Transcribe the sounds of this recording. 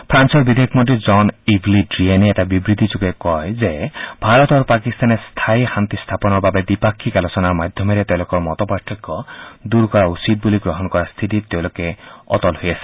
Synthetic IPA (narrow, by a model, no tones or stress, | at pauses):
pʰɾansɔbid̪ʱekʰmɔnʈid͡ʒɔnibʱlidɾianeeʈabibɾit̪id͡ʒuɡekɔezebʱaɾɔt̪ɔɾupakist̪anest̪ʰajxant̪ist̪ʰapɔnɔɾbabed̪ipakʰːikalɔsɔnaɾmad̪ʱjɔmeɾet̪ewlokɔɾmɔt̪ɔpaɾt̪ʰːikːɔd̪uɾkɔɾausid̪̚buliɡɾɔɦɔnkɔɾast̪ʰitit̪ew̃lokeɔ̰t̪ɔlɦojasʰi̥